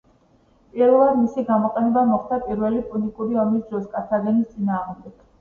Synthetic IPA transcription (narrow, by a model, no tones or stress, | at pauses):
pʼiɾvɛlˠad̪misiɡamɔqʼɛnɛbamɔχd̪apʼiɾvɛlipʼulikʼuɾiɔmisd̪ɾɔskʼat̪ʰaɡɛnist̪sʼinaːʁmd̪ɛɡ̥